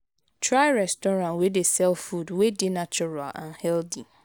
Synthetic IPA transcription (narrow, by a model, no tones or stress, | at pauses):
tʰɾaɪɾɛstɔɾãnwedesɛlffudwedɪnat͡ʃuɹa̰lã̰nhɛldi